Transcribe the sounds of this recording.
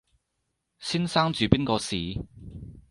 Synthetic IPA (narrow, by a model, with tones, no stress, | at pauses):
siː˥nsaː˥ŋt͡ʃyː˨piː˥nkɔː˧siː˨˩